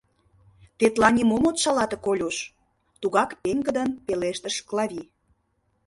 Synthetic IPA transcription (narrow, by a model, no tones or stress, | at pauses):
t̪et̪lɑnʲimomot̪ʃɑlɑt̪ə̆kolʲuʃ | t̪uɣɑkpeŋɡə̆d̪ənpeleʃt̪əʃklɑβʲi